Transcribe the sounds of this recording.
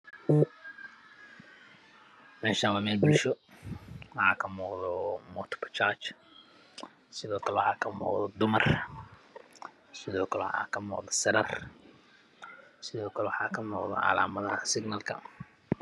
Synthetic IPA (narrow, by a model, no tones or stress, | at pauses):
mɛːʃanwɑːmɛːlbʊlʃɔ | wɑħɑːkʰɐmuːqðɔmɔt̪ʰpʰɐt͡ʃat͡ʃ | sɪðɔːkʰɐlɛwħɑːkʰɐmṵːqðɔd̪ʊmɐr | sɪðɔːkʰɐlɛħa̰ːkʰɐmṵːqðɔsɐɾɐr | sɪðɔːkʰɐlɛwɑħɑːkʰɐmuːqðɔ̰ʕɑ̰la̰ːmɐðɐhɐsɪɡnɐlkʰɐ̰